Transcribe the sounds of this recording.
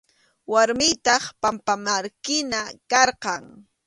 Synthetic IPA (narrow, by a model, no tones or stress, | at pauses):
waɾmɪjt̪ɑχpampamaɾkɪnakɑɾqɑŋ